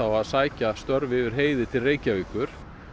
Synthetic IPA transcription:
awaðsaːjcast̪œɾvɪʏɾ̥ɦeːjðɪt̪ʰɪlreːjcaviːkʏɾ̥

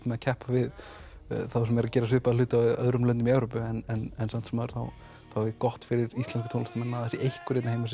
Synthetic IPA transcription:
t̪mɛacʰɛhpavɪð | θawsɛmɛɾacɛːɾas̬ʏhpaðlʏːt̪aœ̰ðɾʏmlœnt̪̬ɪmiɛvɾoːpʏɛnɛnɛnsan̥t̪sɛmaɾ̥θa̰w | θawɛkɔht̪fɪɾɪɾist̪lɛnskʏ̥t̪ʰowlast̪amɛnaðθɛsɪʔejhkʏɾejt̪nahejmas

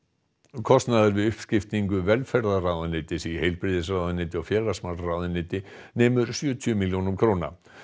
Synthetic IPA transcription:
kʰɔst̪naðʏɾvɪðʏhpscɪft̪niŋkʏvɛlfɛɾðaraːwðʏnːɪːt̪ɪsihejlpɾɪðɪsrawðʏnɪːt̪ɪɔɣfjɛːlasmalraːwðɪnːɪːt̪ɪneːmʏɾ̥sjʏːt̪ʰjʏmiljoːnʏmkʰɾoːna̰

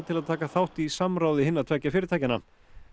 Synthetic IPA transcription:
t̪ʰɪlaðt̪ʰaːkaθawht̪isamɾaːwðɪhɪnːat̪ʰv̥ɛcːafɪːɾɪɾt̪ʰajcɪna̰

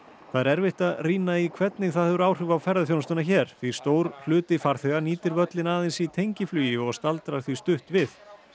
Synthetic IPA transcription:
θaðɾɛɾvɪht̪aðriːnaikʰvɛt̪nɪɣθaðhɛðʏɾaːwr̥ʏvawfɛɾðaθjownst̪ʏnaçɛɾ̥θvist̪oːwɾ̥l̥ʏːt̪ɪfaɾ̥θɛɣaniːt̪ɪɾvœt̪lɪnaːðɪnsit̪ʰejɲcɪflyːjɪɔɣst̪alt̪ɾaɾ̥θvist̪ʏht̪vɪθ

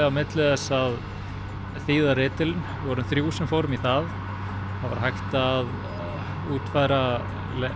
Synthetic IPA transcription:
awmɪt̪lɪðɛsað | θiːðarɪːt̪ɪlɪn | vɔɾʏmθɾjuːwsɛmfowɾʏmiθað | θava̰ɾ̥ɦajxt̪aːð | uːt̪faːjɾa | l

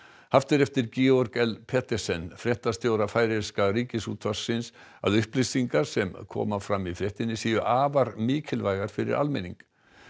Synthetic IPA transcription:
haft̪ɪɾɛft̪ɪɾciɔɾkɛlpʰɛt̪ɛsɛnːfɾjɛht̪ast̪jowɾafaːjɾɪɾskaɾiːcɪsuːt̪ʰvḁsːɪns | a̰ðʏhplɪsiŋkaɾ̥sɛmkʰɔ̰ːmafɾamːifɾjɛht̪ɪnːɪsiːjʏʔaːvaɾmiːcʰɪlvajɣaɾ̥fɪɾɪ̰ɾa̰lmɪniŋk

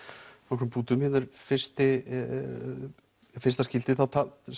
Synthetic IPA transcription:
nɔkɾmpuːt̪ʏmhɪnɛɾfɪrst̪ɪ | fɪst̪ascɪlt̪ɪθawt̪ʰa

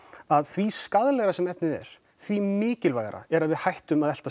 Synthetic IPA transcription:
aðθviskaðlɛɣɾasɛmɛpnɪðɛ̰ɾ̥ | θvimɪːcɪlvajɣa̰ɾa̰ɛɾaðvɪðhajht̪ʏmaðɛl̥t̪a

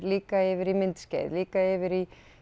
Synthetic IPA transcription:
liːkaeʋɪɾimɪnt̪scɛ̰ːðliːkaeːʋɪɾi

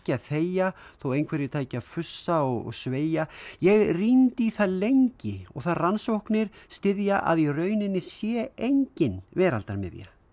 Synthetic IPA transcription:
cɪaðθeːjaθowejnkʰvɛɾɪt̪ʰaːjcɪaðfʏsːaɔɣɔ̰ɣsveːjajɛɣrint̪ɪiθaðlejɲcɪɔ̰ɣθaðransowhknɪɾ̥st̪ɪðjaʔa̰ðirœːɥnɪnːɪsjɛejɲcɪnvɛːɾa̰lt̪aɾmɪ̰ðja̰

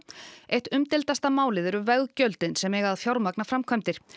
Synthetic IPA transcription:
ejht̪ʏmt̪ɪlt̪ast̪amaːwlɪðɛɾʏvɛɣcœɥlt̪ɪnsɛmɛɣaðfjawɾmaknafɾamkʰœmt̪ɪɾ̥

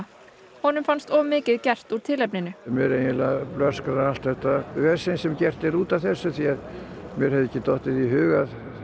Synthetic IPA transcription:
hɔːnʏmfanst̪ɔmɪːcɪðcɛr̥t̪uɾ̥t̪ʰɪlɛpnɪnʏmjɛɾejɪlaplœrskaɾaalt̪θɛht̪avɛ̥sɪnsɛmcɛr̥t̪ɪɾuːt̪aθɛsːʏθiað | mjɛɾ̥hɛvðɪcːɪt̪ɔht̪ɪðiɦʏːɣað

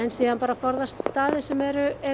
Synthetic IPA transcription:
ɛnsiːðanpaːɾafɔɾðast̪st̪aːðɪsɛmɛɾʏɛ

